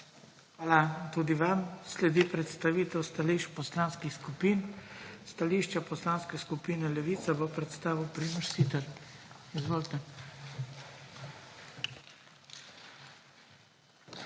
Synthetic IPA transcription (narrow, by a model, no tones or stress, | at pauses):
xʋaːlat̪ud̪iʋamslɛd̪ipɾɛt̪st̪aʋiːt̪ɛwst̪aliʃpɔslaːnskixskupinst̪aliʃt͡ʃapɔslanskɛskupiːnɛlɛʋiːt̪sabopɾɛt̪st̪aːʋiwpɾiməʃsit̪ɛɾizʋoːlt̪ɛ